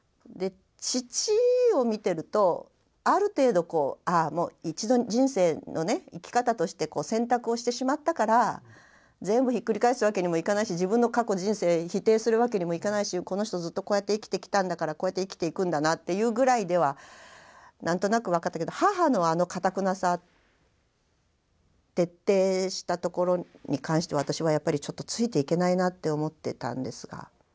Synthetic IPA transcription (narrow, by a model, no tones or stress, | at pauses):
d̪e̞ | t͡ɕit͡ɕio̞mʲit̪e̞ɾɯ̟t̪o̞ | aɾɯ̟t̪e̞ːd̪o̞ko̞ːamo̞̰ːit͡ɕid̪o̞d͡ʑĩɰ̃se̞ːno̞ne̞ikʲi̥kat̪at̪o̞ɕi̥t̪e̞ko̞ːsẽ̞nt̪akɯ̟o̞ɕi̥t̪e̞ɕimat̪ːakaɾa | zẽ̞mbɯ̟çikːɯ̟ɾʲikaisɨɯβake̞ɲ̟imo̞ikanaiɕiʑibɯ̟̃nːo̞kako̞ʑĩɰ̃se̞ːçit̪e̞ːsɨɾɯ̟βake̞ɲ̟imo̞ikanaiɕiko̞no̞ç̬i̥t̪o̞zɨt̪ːo̞ko̞ːjat̪ːe̞ikʲi̥t̪e̞kʲi̥t̪ãnd̪akaɾakoːjat̪ːeikʲi̥t̪e̞ikɯ̟̃nd̪anat̪ːe̞jɯ̟ːɡɯ̟ɾaid̪e̞βa | nãnt̪o̞nakɯ̟β̞akat̪ːaked̪ohaɦano̞ano̞kat̪akɯ̟nasa | t̪e̞t̪ːe̞ːɕi̥t̪at̪o̞ko̞ɾo̞ɲ̟ikãɰ̃ɕi̥t̪e̞βat̪aɕiβajapːaɾʲit͡ɕo̞t̪ːo̞t͡sɨit̪e̞ike̞nainat̪ːe̞o̞mo̞t̪ːe̞t̪ã̰nd̪e̞sɨɡ̥a̰